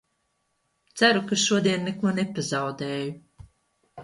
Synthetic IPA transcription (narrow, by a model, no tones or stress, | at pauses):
t̪sæɾukaʃuɔd̪iɛnːekuɔnepazawd̪eːju